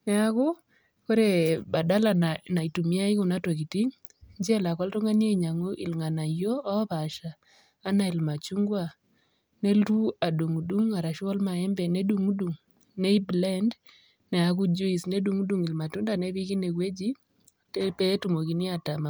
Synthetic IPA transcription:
nɛ˦aku˦ | ko˦ɾe˨ba˨da˦la˨ana˨i˨tu˨mja˦i˦ku˨na˦to˨ki˨ti˦ŋ | ɲd͡ʒɛ˦la˨kɔ˦ltɔ˦ŋa˦nje˦˨ɲa˨ŋo˦ʔɪ̰˨lŋa˨na˨jo˦ɔ˦βa˨ʃaː˨˦ | na˨i˨lma˨t͡ʃu˦ŋɡwa˨ | ne˦ltu˦a˨du˨ŋu˨du˦ŋa˨ɾa˨ʃɔ˦lma˨ɛ˦mbɛ˨ne˦du˨ŋu˦du˨ŋ | ne˦i˦blɛ˦nd | nɛ˨a˨ku˦d͡ʒu˦i˨sne˦du˨ŋu˦du˦ŋi˨lma˨tu˦nda˨nɛ˦βi˦ki˦ne˨kwe˦d͡ʒi˦ | te˦pɛ˦tu˨mo˨ki˨ni˦a˨ta˨ma

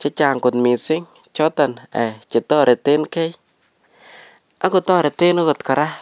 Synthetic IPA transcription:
t͡ʃe˦t͡ʃa˨ŋkʊ˨tmi˨sɪ˦ŋ | t͡ʃɔ˦ta˨nɛ˨t͡ʃe˨tɔ˦ɾe˨te˦nke˦j | a˦ko˨tɔ˦ɾe˨te˦no˦kɔ˨tka˨ɾa˦

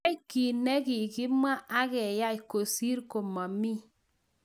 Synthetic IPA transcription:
i˦ki˨nɛ˦ki˨ki˦mwa˦ʔa˦kɛ˨ja˦i˨ko˨si˦ɾko˨mɔ˨mi˦

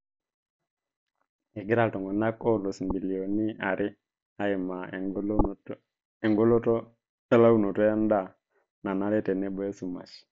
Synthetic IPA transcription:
ɛ˨ɡɪ˦ɾa˦˨ltɔ˨ŋɡɔ˨na˦kɔ˦lo˨smbi˨li˨o˨ni˦a˨ɾʔɪ˦ | a˦ɪ˨ma˨ | ɛ˨ŋɡo˦lɔ˦tɔ˦ | a˦la˦u˦no˨tɔ˦ja˦nda˦˨ | na˨na˦ɾɛ˦tɛ˨nɛ˦bɔ˨e˦su˨ma̰˨ʃ

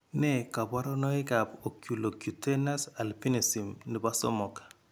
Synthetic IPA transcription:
nɛ˦˨ka˨ba˦ɾɔ˦no˦ɪ˦ka˨po˨kju˨lo˨ku˨te˦na˦sa˨lpi˦ne˨si˨mni˨ba˦sɔ̰˦mɔ˨kḁ˨

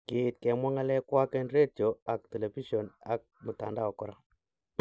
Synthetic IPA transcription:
kɪ˨t̚kɛ˨mwa˦ŋa˦lɛ˦kwa˦kɛ˦nre˦tjo˨a˨k̚tɛ˨lɛ˨fi˦ʃɔ˨na˨k̚mu˨ta̰˨nda˦ɔ˨kɔ˦ɾa˨

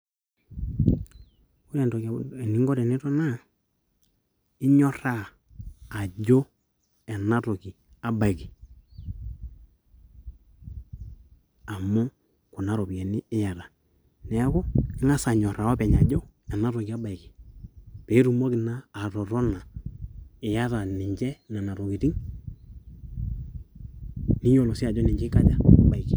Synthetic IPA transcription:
ko˦ɾɛ˨ntɔ˨ki˨ni˨ŋɡɔ˦ɾɛ˨nɛ˦tɔ˦na˦ | ɪ˦ɲɔ˦ɾaː˦˨ | d͡ʒo˦ | ɛ˨na˦tɔ˨ki˨ | a˨ba˨i˨ki˨ | a˨mɔ˦ | kʊ˨na˦ɾɔ˨pjɛ˨nɪ˦ɪ˦ja˨ta˨ | nɛ˨˦kɔ˦ɪ˦ŋa˦sa˨ɲɔ˨ɾa˨wa˦pɛ˨ɲa˨d͡ʒɔ˦ | ɛ˨na˦ɾɔ˨ki˨a˦ba˨ɪ˨kɪ̥˨pɛ˨˦i˦ɾu˨mɔ˦kɪ˨naː˦˨tɔ˨ɾɔ˦na˨ | ɪ˨ja˦ta˨nɪ˨ɲd͡ʒɛ˦na˨na˨ɾɔ˨ki˨ti˦ŋ | ni˦jɔ˨lɔ˨si˦a˨d͡ʒɔ˦nɪ˨ɲd͡ʒɛ˦ka˦d͡ʒa˨ba˨i˨ki˨

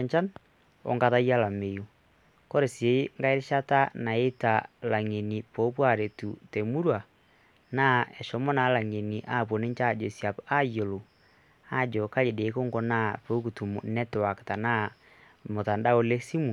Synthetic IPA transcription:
ɲt͡ʃa˦n | o̰˨ŋɡa˦ða˦ja˦la˨me˨ju˨ | ko˦ɾe˨sje˨˦ŋɡa˦e˦ɾe˦ʃa˦ta˦na˨e˦ta˨la˨ŋe˨ni˨po˨˦pwa˦˨ɾe˨tu˨te˨mu˦ɾwa˨ | na˦ɛ˨ʃɔ˨˦mɔ˦na˨˦la˨ŋe˨ni˨ʔa˦˨pwo˨ne˦ɲt͡ʃa˦˨d͡ʒo˨sja˨pa˦jo˨lo˨ | a˦˨d͡ʒɔ˨ka˦je˨de˨˦ko˦ŋɡɔ˦na˦po˦ku˨tu˨m˨nɛ˦te˨wa˨ke̥˨ta˨na˦ | mo˨ta˨nda˦o˦le˦si˦mu˨

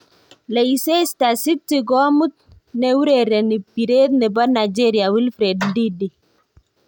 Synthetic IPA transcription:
lɛ˨i˨se˦sta˨si˦tːi˨ɡɔ˦mu˦t̪̚ | nɛ˨wu˦ɾe˨ɾɛ˨ni˨pi˨ɾe˦t̪nɛ˨ba˦na˨d͡ʒe˦ɾi˨a˨wi˦lfɾe˨ddi˦di˨

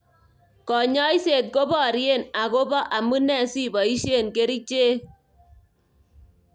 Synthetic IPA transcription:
kɔ˨ɲɔ˦i˦se˨t̪̚ko˦bɔ˦˨ɾje˦˨na˨ko˦bɔ˦ʔa˨mu˦nɛ˦˨si˦bɔ˨i˦ʃe˦˨nke˦ɾi˦t͡ʃe˦˨

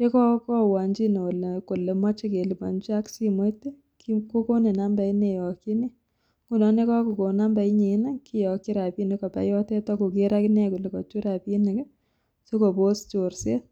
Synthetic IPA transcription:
je˦kɔ˦kɔ˦wa˨ɲd͡ʒi˦no˨le˨ko˨le˨ma˦t͡ʃe˦ke˨li˨ba˨nd͡ʒa˦ksi˦mo˦tːe˦ | ki˦ko˦ko˦ne˨na˦mba˨i˦ne˨jɔ˨kːi˦ne˦ | ŋɡu˦˨nɔ˦ne˦kɔ˦ku˨ko˨na˦mba˨i˦ɲe˨˦na˦ki˦jɔ˨kːi˦ɾa˨pi˦ne˦kɔ˨pa̰˨jɔ˦tɛ˦tɔ˦ku˨ke˦ɾa˦ki˦nɛ˦ku˨le˨kɔ˨t͡ʃu˦ɾa˨pi˦ne˨kɛ˦ | so˦ko˨bo˦st͡ʃo˨ɾsḛ˦t̚

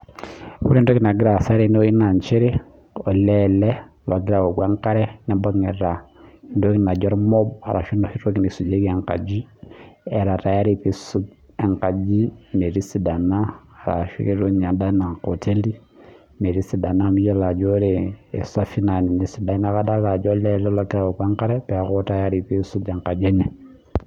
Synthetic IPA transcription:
ku˦ɾi˦ndo˦ki˦na˨ɡi˦ɾa˨sa˦ɾe˦n˦o˦i˦na˨ɲt͡ʃe˦ɾi˦ | ɔ˨lɛlɛ˦la˨ɡi˦ɾa˨o˨ɡwɛ˦ŋka˦ɾɛ˦nɛ˦mba˦ŋɛ˨ɾa˨ndo˦ki˦na˨d͡ʒa˦ɾi˦mɔ˦ba̰˨ɾʔa̰˨ʃi˦no˦ʃi˦ɾo˦ki˦ni˨su˨d͡ʒe˦kɛ˨ŋka̰˨d͡ʒi˦ɛ˨ɾa˨ɾa˨ja˦ɾi˨pi˦su˦ | ɛ˨ŋka˨d͡ʒi˦ne˨ɾi˦si˨da˨naː˦˨ɾa̰˨ʃḭ˦ke˦ɾo˦ɲ˨a˨da˦na˨ko˨tʰe˦li˦ | me˨ɾi˦si˨da˨na˦mi˦jɛ˦la˨d͡ʒɔ˦ɾɛ˨ɛ̰˨sa˦fi˦na˨ni˨ni˨si˨da˨˦na˦ka˦da˦la˨d͡ʒɔ˦lɛ˦lɔ˦la˨ɡi˦ɾa˨wo˨kwe˦ŋka˦ɾɛ˦pɛ˨a˨˦kɔ˦ta˦ja˦ɾi˨pi˦su˦dɛ˨ŋka˨d͡ʒe˦nɛ˨

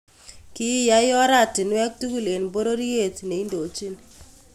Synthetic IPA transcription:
ki˦ja˦jɔ˦ɾa˦˨tɪ˨nwɛ˦k̚tu˦ku˦˨le˨nbo˦ɾo˦ɾi˦je˦˨tne˨i˦ndo˨t͡ʃi˦n

